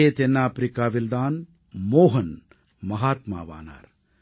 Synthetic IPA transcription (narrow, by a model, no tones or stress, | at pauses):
eːt̪enːaːpɾikaːʋild̪aːn | moːɦɐn | mɐɦaːt̪ma̰ːʋa̰ːna̰ːɾ